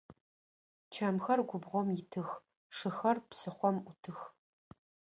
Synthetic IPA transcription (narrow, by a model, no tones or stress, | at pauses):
t͡ʃʰɐmxɐrɡʷʊbʁʷɔmjɪtʰɨx | ʂɨxɐrpsɨχʷɔmʔʊtʰɨx